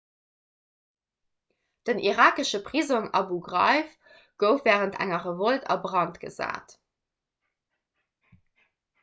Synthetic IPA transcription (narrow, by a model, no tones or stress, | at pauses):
d̥ənʔiʁaːkəʃəpʁ̥izoŋɑbuɡʁɑ̰ɪf | ɡ̥əʊfvɛːʁəntʰæ̰ŋɐʁəvoltʰɑ̰bʁɑntɡ̥ə̰za̰ːt